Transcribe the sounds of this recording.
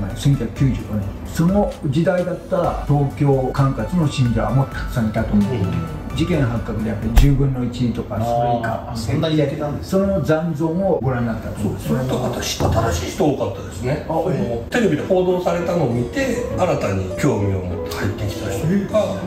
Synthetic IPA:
masẽ̞ŋkʲakɯ̟̥kʲɨːʑɨːɡonĩ | so̞no̞d͡ʑid̪aid̪at̪ːaɾa̰t̪o̞ːkʲo̞ːkãŋkat͡sɨno̞ɕĩɲd͡ʑoβamot̪ʰːḁkɯ̥sanet̪at̪omt̪e | d͡ʑikẽ̞ɰɦãŋkakɯ̟d̪e̞japːaɾʲiʑɨːbɯ̟̃nːo̞it͡ɕiɲit̪o̞kasoɾoika | sonːaɲakenãnd̪eso̞no̞d͡zãnd͡zo̞ːmo̞ɡo̞ɾãnːakt̪ːat̪osod̪esnt̪oat̪aɕi̥at̪aɾaɕiːçi̥t̪ookat̪ːad̪esɨneat̪e̞ɾe̞bʲid̪eho̞ːd̪o̞ːsaɾe̞t̪ano̞ːmʲit̪e̞aɾat̪aɲ̟ikʲo̞ːmʲio̰mot̪ːe̥hait̪ːe̞kʲi̥t̪ḁt̪oka

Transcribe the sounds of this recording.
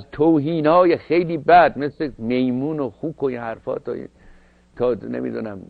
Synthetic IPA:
zt̪ʰowɦiːnhɒːjexejliːbæd̪̚meslemejmuːnoxuːkʰoinhæɾfɒ̰ːt̪ʰɒ̰ḭ | t̪ʰɒːnḛmḭːd̪uːnæm

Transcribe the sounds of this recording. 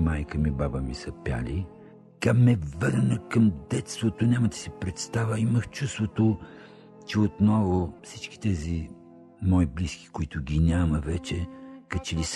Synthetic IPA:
majkəmibabəmisəpʲja̰li | kamɛvəɾnəkɐmd̪ɛt̪st̪vot̪onʲamət̪ɛ̥sipɾɛt̪st̪avəiməxt͡ʃust̪vot̪o | t͡ʃɛot̪nɔvofsit͡ʃk̟i̥t̪ɛzi | mɔibliski̥koʊit̪ʊɡʲinʲaməvɛt͡ʃɛkɐt͡ʃɛlis

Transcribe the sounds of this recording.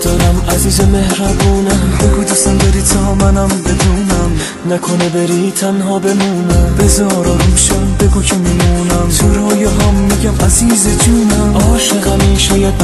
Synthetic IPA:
d̪̥ɒːɾæmæziːzemehɾæbuːnæbeɡuːd̪æsæmbeɾiːt̪ʰɛɦɒːmænæmbe̞d̪uːnæm | nækʰonebeɾiːt̪ʰænɦɒːbemuːnebezɒːɾɒɦmʃæmbeɡuːcʰemimuːnæmt̪ʰoɾhɒːjeɦæmːiːɟæmʔæziːzed͡ʒuːnæmɒːʃeɣæmiːʃɒːjæd̪

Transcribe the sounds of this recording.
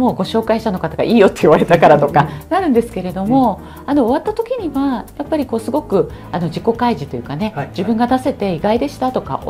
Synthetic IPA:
mo̞ːɡo̞ɕo̞ːkaiɕi̥t̪ano̞kat̪aɡa̰ʔiːjo̞t̪ːeiβaɾe̞t̪akaɾat̪o̞kanaɾɯ̟̃nd̪e̞sɨ̥ke̞ɾe̞d̪o̞mo̞ | ano̞ːβat̪ːat̪o̞kʲiɲ̟iβajapːaɾʲiko̞ːsɨɡo̞kɯ̟ | ano̞ʑiko̞kaiʑit̪o̞jɯ̟kane̞d͡ʑibɯ̟̃ŋɡad̪ase̞t̪e̞iɡaid̪e̞ɕi̥t̪at̪o̞ka̰

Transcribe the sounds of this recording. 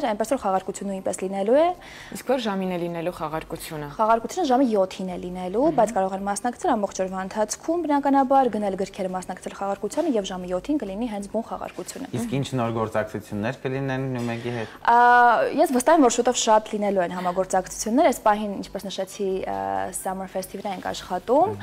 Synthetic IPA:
ɾɑjnpɛsvɔɾχɑʁɑɾkut͡sʰjunːnujnpɛslinɛlujɛ | iskʰvɔɾʒɑminɛlinɛluχɑʁɑɾkut͡sʰjunəχɑʁɑɾkut͡sʰjunəʒɑməjɔt̪ʰinɛlinɛlubɑjt͡sʰkɑɾɔʁɛnmɑsnɑkt͡sʰɛlɑmbɔχt͡ʃʰɔɾvɑənt̪ʰɑt͡sʰkʰumbənɑkɑnɑbɑɾɡənɛlɡəɾkʰɛɾəmɑsnɑkt͡sʰɛlχɑʁɑɾkut͡sʰjɑnəjɛvʒɑməjɔt̪ʰːinkəliniɦɛnt͡sʰbunχɑ̰ʁɑ̰ɾkut͡sʰjunə̰iskint͡ʃʰnɔɾɡɔɾt͡sɑk̚t͡sʰut͡sʰjunːɛɾkəlinɛnːujmɛkiɦɛ | jɛsvəst̪ɑhɛmvɔɾʃut̪ɔvʃɑt̪linɛluɛnɦɑmɑɡɔɾt͡sɑkʰt͡sʰu̥t͡sʰjunːɛɾɛspɑɦinint͡ʃʰpɛsnəʃɛt͡sʰḭsɑmənfɛst̪ʰivɾɑɛnkʰɑ̰ʃχɑt̪um

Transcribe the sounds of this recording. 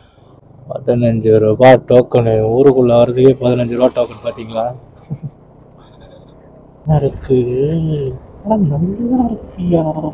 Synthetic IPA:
pɐ̰ðɐnɐɲd͡ʒɯɾɯbaːʈoːkːɐnɯuːɾɯkʊɭːɐʋɐɾɐðɯkepɐðɯnɐɲd͡ʒɯɾɯbaːʈoːkːɐnɯpaːɾt̪iːŋɡɐɭaː | ɪɾɯkːɯ | ɐnɐɭːɯðãːɪɾɯkːɪjaː

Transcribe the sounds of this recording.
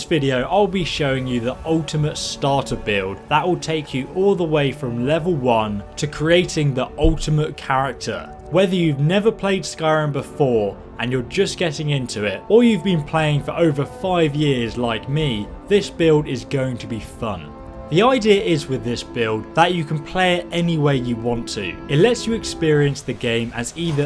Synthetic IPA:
svɪɾioʊʔaɪlˠbiʃoʊɪ̃ŋjɨðiʔʌlˠtʰəmətstɑˑtəbɪlˠd̚ðəʔwɪlˠtʰeɪkʰjɨʔɔlˠðəweɪfɹə̃mlɛvəl̩ˠwʌ̃ntʰɨkʰɹ̥ieɪtɪ̃ŋðiʔʌlˠtəmət̚kʰaɹɪk̚tʰə̰ | wɛðə˞jʉvnɛvəpʰl̥eɪd̥skaɪɹə̃nbɪfɔːɹ | ʔə̃njə˞d͡ʒʌsɡ̥ɛɾɪ̃ŋɪ̃ntʰʉɪtə˞jʉvbĩnpʰl̥eɪɪ̃ŋfə˞ʔoʊvə˞faɪvjɪɹzlaɪkmi | ðɪsb̥ɪlˠdɪzɡoʊɪ̃ŋtʰəbifʌ̰̃n | ðiaɪdiəʔɪzwɪðɪsb̥ɪlˠd̪̚ðət͡ʃɨkʰn̩pʰl̥eɪɛniweɪjɨwɑ̃ntʰʉ̰ɨtˡlɛtsjɨɨkspɪɹiɨ̃nsðɨɡẽɪ̃mɨ̰ziðə

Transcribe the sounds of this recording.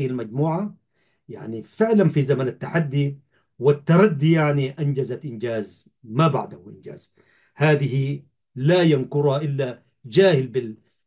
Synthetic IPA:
ɪhalmad͡ʒmuːʕa | ja̰ʕnifɪʕlanfizamanat̪ːaħad̪ːi | wɪt̪ːɑɾˤɑd̪ːijaʕniʔand͡ʒazat̪ʔɪnd͡ʒaːz | maba̰ʕd̪ahuʔɪnd͡ʒa̰ːz̥ | haːd̪ɪhi | lajankʊɾhaʔɪlːa | d͡ʒaːhɪlbɪl

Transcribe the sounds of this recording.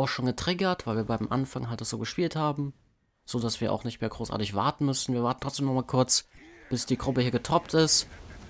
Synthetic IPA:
ʔaʊxʃoːnɡətʁ̥ɪɡɐtv̥aɪlviːɐbaɪmʔa̰nfaŋɦaltd̥asz̥oːɡəʃpiːlthaːbm̩ | z̥oːdasv̥iːɐʔa̰ʊxnɪçtmeːɐɡʁoːsʔa̰ɐtɪçv̥a̰ɐtn̩mʏsn̩viːɐvaɐtn̩tʰʁ̥ɔt͡sd̥eːmnɔχmaːlkʰʊɐt͡sb̥ɪsd̥iːɡʁʊpəhiːɐɡətʰɔptɪst

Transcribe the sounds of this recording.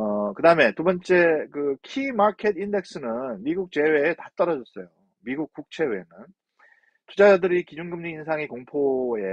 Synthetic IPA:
ʌkɯdaɯme̞tubʌnt͡ɕ͈e̞kɯkʰimakʰe̞dinde̞k̚s͈ɯnɯnmiɡuk̚t͡ɕ͈e̞we̞ːtat͈ʌɾʌd͡ʑʌs͈ʌjo | miɡuk̚k͈uk̚t͡ɕʰe̞we̞nɯn | tud͡ʑaadɯɾikid͡ʑunɡɯmɲiːnsʰaŋikoŋpʰoe̞

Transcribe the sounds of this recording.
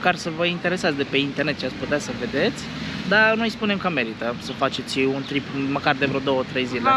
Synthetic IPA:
karsəvəint̪e̞ɾe̞sat̪sʲd̪e̞pe̞int̪ernet̪t͡ʃiat̪sʲput̪easəve̞d̪e̞t̪sʲd̪anujspune̞mkəme̞ɾit̪əsəfat͡ʃe̞t̪sʲunt̪ɾipməkard̪evɾood̪o̞wət̪ɾe̞jzile

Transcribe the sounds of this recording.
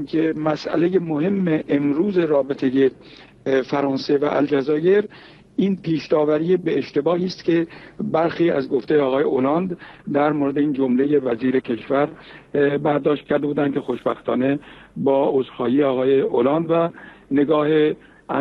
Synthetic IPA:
mkʰemæsʔæ̰le̞jemoɦe̞mːeʔemɾuːze̞ɾɒːbe̞t̪ʰe̞je̞ | fæɾɒːnse̞væ̰ʔæ̰ld͡ʒæzɒːje̞ɾ | ʔiːnpʰiːʃd̪ɒːvæɾijebeːʃt̪e̞bɒːɦiːst̪cʰe̞bæɾxiːæ̰zɡoft̪ʰe̞jeɒːɣɒːje̞ʔolɑnd̪d̪æɾmoɾe̞d̪eiːnd͡ʒomleje̞væziːɾe̞kʰe̞ʃvæɾ | bæɾd̪ɒːʃt̪̚cʰæɾd̪ebuːd̪ænd̪̥̚cʰe̞xo̞ʃbæxt̪ʰɒ̰ːne̞bɒːozɾxɒːjiːeɒːɣɒːje̞olɑːnd̪væne̞ɡɒːhe | æ

